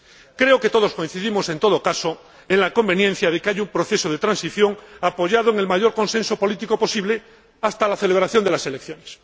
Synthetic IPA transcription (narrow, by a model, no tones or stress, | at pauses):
kɾe̞oke̞t̪o̞ð̞o̞skoin̟θiðimo̞se̞nt̪o̞ð̞okaso | eŋlako̞mbe̞njen̟θjað̞ekeaʝumpɾoθe̞soðe̞t̪ɾãnsiθjo̞ŋapo̞ʝað̞oeŋe̞lmaʝo̞ɾko̞nse̞nso̞po̞lit̪ikopo̞siβle̞ | ast̪alaθe̞le̞βɾaθjo̞nd̪e̞lase̞lekθjo̞nes